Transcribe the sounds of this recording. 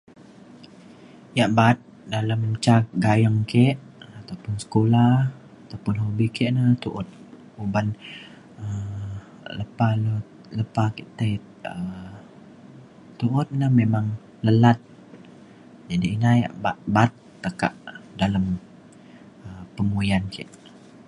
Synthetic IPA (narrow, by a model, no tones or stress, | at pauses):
jaʔbat̪̚ | dalamt͡ʃak̚ɡajaŋkeʔat̪awpʊnsə̥kolah | at̪awpʊnɦobikɛʔnət̪uʔʊt̪̚ | uban | ə | ləpalo | ləpakiʔt̪ə | ə | t̪uʔʊt̪̚nəmemaŋ | ləlat̪̚ | d͡ʒadiːnaja̰ʔbabat̪̚ːəka̰ʔdalam | əpəmujankɛʔ